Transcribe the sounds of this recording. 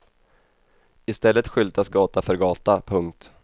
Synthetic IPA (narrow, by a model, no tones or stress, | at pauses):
ɪst̪ɛlːət̪ɧʏlt̪asɡɑːt̪afœɾɡɑːt̪apʰɵŋk̚t̪